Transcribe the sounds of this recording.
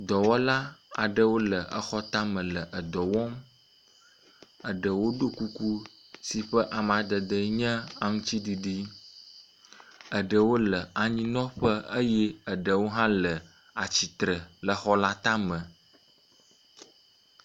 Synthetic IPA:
d̪ɔ˨wɔ˦la˦a̰˨ɖə˦wo˦lə˨ʔə˨xɔ˦t̪a˦mə̃˨lə˨ʔə˨d̪ɔ˨wɔ˦m | ə˨ɖə˨wo˦ɖo˦ku˦ku˦ | si˨ɸə˦ʔa˨m˨ã˨d̪ə˨d̪ə˨ɲə̃˦a˨ŋũ˦t͡ɕi˦ɖi˨ɖi˦ | ə˨ɖə˨wo˦lə˨a˨ɲĩ˦nɔ̃˦ɸə˦ə˦jɛ˦ə˨ɖə˨wo˦ɦã˦lə˨ | a˨t͡ɕi˨t̪ɾə˨lə˨xɔ˦la˦t̪ã˦mə̃˨

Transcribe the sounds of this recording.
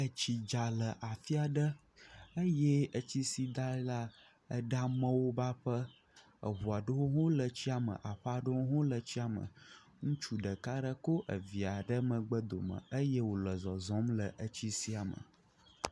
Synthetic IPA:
ə˨t͡ɕi˨d͡ʒa˨lə˨ʔa˨fi˦a˨ɖə˦ | ə˦jɛ˦ə˦t͡ɕi˦si˦d̪a˦la˦ | ə˦ɖa˦mə̃˦wo˦ba˦ɸə˦ | ə̰˨βu˨a˨ɖə˦wo˦ɦõ˦lə˨t͡ɕi˦a˨mə̰˨ʔa˨ɸə˦a˨ɖə˦wo˦ɦõ˦lə˨t͡ɕi˦a˨mə̰̃˨ | ŋũ˦t͡ʃu˦ɖə˨ka˦ɖə˦ko˦ʔə˨vi˨a˨ɖə˦mə̃˨ɡ͡bə˦d̪o̰˨mə̰̃˨ə˦jɛ˦wo˨lə˨zɔ˨zɔ̃˨˦mlə˨ʔə˦t͡ɕi˦si˦a˨mə̰˨

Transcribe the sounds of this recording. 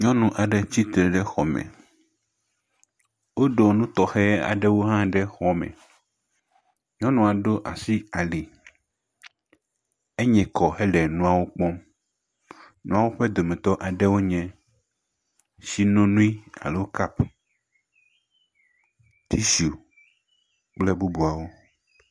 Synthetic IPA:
ɲɔ̃˦nũ˨ʔa˨ɖɛ˦t͡ɕi˦t̪ɾe˨ɖɛ˦xɔ˨mɛ̰̃˨ | wo˦ɖo˨nũ˦t̪ɔ˨xɛ˦a̰˨ɖɛ˦wo˦ɦã˦ɖɛ˦xɔ˨mɛ̰̃˨ | ɲɔ̃˦nũ˨a˨ɖo˦ʔa̰˨si˦a˨li˨ | e˦ɲɛ̃˨kɔ˨hɛ˦ɖɛ˨nũ˦a˨wo˦k͡pɔ˦m | nũ˦a˦˨wo˦ɸɛ˦d̪o˨mɛ̃˨t̪ɔ˦ʔa˨ɖɛ˦wo˦ɲɛ̃˨ | si˦nõ˦nũ˦i˦a̰˨le˦wo˦ka˦p | t̪ʰi˦su˨ | k͡plɛ˦bu˦bu˨a˨wo˦

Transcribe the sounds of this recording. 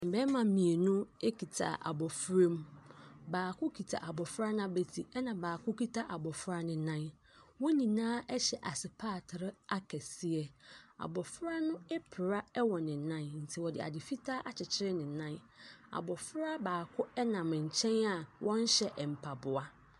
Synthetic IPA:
m̩˨bɛ˦mã˨˦mĩ˨e˨nʊ̃˦e˦kʰi˨tʰa̰˨ʔa̰˨bɔ˨fɾe˦m˦baː˨kʰʊ˦kʰi˨tʰa̰˨ʔa˨bɔ˨fɾa˦nã˦be˨tʰi˨ɛ˦nã˨baː˨kʰʊ˦ki˦tʰa˦ʔa˨bɔ˨fʊ˦ɾa˦nɪ̃˨˦nã˦n | wɔ˦ɲĩ˨nãː˦ʔɛ˦ɕɛ˨ʔa˨sɪ˨pʰaː˦˨tʰɪ˨ɾɪ˦a˦kʰɛ˨sɪ˦ɛ˨a̰˨bɔ˨fɾa˦nʊ̃˦ɛ˦pʰɪ˨ɾa˦ɛ˦wɔ˨nɪ̃˨˦nã˦n˦n̩˨tʰi˨wɔ˨dɪ̰˨a̰˨dɪ˨fi˦tʰaː˦ʔa˨t͡ɕʰɪ˨t͡ɕʰɪ˦ɾɪ˦nɪ̃˨˦nã˦n | a̰˨bɔ˨fʊ˦ɾa˦baː˨kʰʊ˦ɛ˦nã˨m̃˨ɲ̩˨t͡ɕʰɛ̃˦na˨wʔɔ̃˦n˦ɕɛ˦˨ʔm̩˨pʰa˨bʊ˨a˦

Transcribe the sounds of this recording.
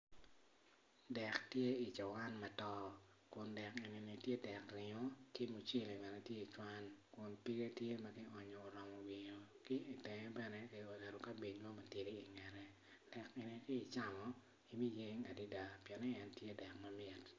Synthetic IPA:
dɛ˨ktje˦i˨t͡ʃa˨wa˦nma˨tɔ˦ | kʊ˨ndɛ˨ke˨ni˨ni˨tje˦dɛ˨kɾɪ˨ŋo˦ki˦mu˨t͡ʃe˦˨li˨mɛ˨nɛ˨tje˦i˨t͡ʃwa˦nkʊ˨npi˦ɡe˦tje˦ma˦ki˦ɔ˨ɲɔː˨ɾɔ˨mɔ˨wi˨ɲo˨kɪ˦i˨tɛ˨ŋɛ˦bɛ˦nɛ˦ki˨ɔ˨dɛ˨ɾo˨ka˦bi˨ɲwa˦ma˨ti˨ɾi˦i˨ŋɛ˨ɾɛ˦ | d̥ɛ˨ke˨ni˨kiː˦˨t͡ʃa˦mɔ˨ | i˨mi˦je˦ŋa˨di˦da˨pjɛ˨nɛ˦ɛ˦ntje˦dɛ˨kma˦mɪ˨t

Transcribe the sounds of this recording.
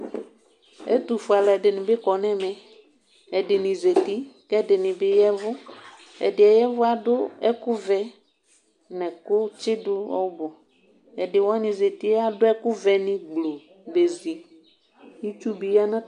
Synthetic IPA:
ɛ̰˦t̪u˨fʊ˨a˨lɛ˨dɪ˨nɪ̃˨bɪ˦kɔ˨nɛ̃˦mɛ̃˨ | ɛ˨dɪ˨nɪ̃˨ze˨t̪i˦kɛ˦dɪ˨nɪ̃˨bɪ˦jɛ˦vʊ˦ | ɛ̰˨dɪ˨ɛ˨jɛ˦vʊ˦a˨dʊ˦ɛ˦kʊ˦vɛ˨ | nɛ̃˨kʊ˦t͡ʃɪ˦dʊ˦ɔ̰˦bɔ˨ | ɛ˨dɪ˨wɔ˦nɪ̃˨ze˨t̪i˦a˦dʊ˦ɛ˦kʊ˦vɛ˨nɪ̃˦ɡ͡blo˨ | be˨zi˨ | ji˦t͡ʃu˦bi˨ja˦nã˦

